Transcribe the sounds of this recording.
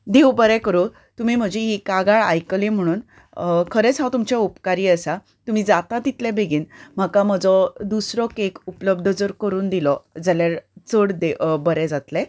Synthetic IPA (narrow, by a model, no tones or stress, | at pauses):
d̪ewbəɾɛ̃kəɾo | t̪um̤iːm̤əd͡ʑeɦikaɡaɭa̰jklim̤əɽ̃uːn | kʰəɾet͡sɦãt̪umt͡ɕɛupkaɾiːəsa | t̪um̤iːd͡zat̪at̪it̪lɛ̃beɡiːnm̤əkam̤əd͡zɔd̪usɾɔkekupləb̚d̪ʱəd͡zəɾkəɾuːnd̪ilɔd͡zaljaɾt͡səɽd̪ebəɾɛd͡zat̪lɛ